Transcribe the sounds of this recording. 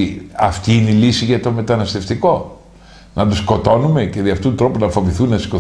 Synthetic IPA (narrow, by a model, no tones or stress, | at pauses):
iɐft̪iineilisiʝɐt̪o̞me̞t̪ɐnɐst̪e̞ft̪iko̞ | nɐt̪usko̞t̪o̞nume̞ce̞ðiɐft̪ut̪ut̪ɾo̞punɐfo̞viθunːɐsko̞